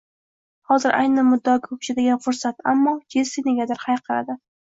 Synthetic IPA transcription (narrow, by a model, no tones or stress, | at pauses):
hɒzɪɾʔa̰jnɪmʊd̪ːɒkʰɵt͡ʃʰɪd̪aɡʲanfʊɾsat̪amːɒd͡ʒʲʰesɪneɡʲad̪ɪɾhajqʰɨɾa̰d̪ɪ